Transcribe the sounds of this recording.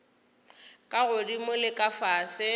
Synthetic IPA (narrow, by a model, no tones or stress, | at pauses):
kʼaɣʊdimʊlɪkʼafaːsɪ